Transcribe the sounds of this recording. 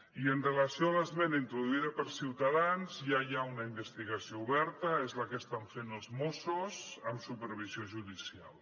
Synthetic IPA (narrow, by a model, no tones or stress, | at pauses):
iənrələsioaləzβenint̪ɾuðuiðəpəɾsiwt̪aðanzjajaunəimbəst̪iɣɐsiouβɛɾt̪əezləkəst̪aɱfenəlˠzmosuzəmsupəɾβ̞izioʒuðisia̰lˠ